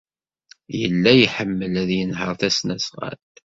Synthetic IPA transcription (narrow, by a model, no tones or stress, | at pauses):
jə̰lːæjħəmːəlæðjənɦəɾˤθæsnæsʁæ̰t̪